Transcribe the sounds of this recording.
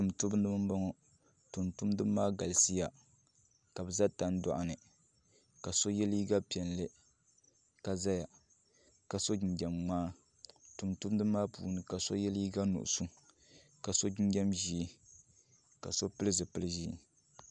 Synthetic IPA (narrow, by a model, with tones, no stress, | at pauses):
tu˨mtu˦bndɨ˦mɨ˦m˦ba˦ŋɔ˦ | tu˨ntu˦mdɨ˦maː˦ɡa˨lsi˦ja˨ | ka˨bɨ˨za˦ta˦n˦dɔ̰˨ʔa˨nɨ˨ | ka˨so˦jɛ˦li˦ɡa˦pi˨ɛ˨nlɨ˦ | ka˨za˦ja˨ | ka˨so˦d͡ʒi˨nd͡ʒɛ˨mŋ͡maː˦ | tu˨mtu˦dɨ˦maː˦pṵː˨nɨ˨ka˨so˦jɛ˦li˦ɡa˦nṵ˨ʔʊ̰˨su˦ | ka˨so˦d͡ʒi˦nd͡ʒɛ˦mʒiː˦ | ka˨so˦pɨ˦lɨ˦zɨ˨pɨ˦lɨ˦ʒḭː˦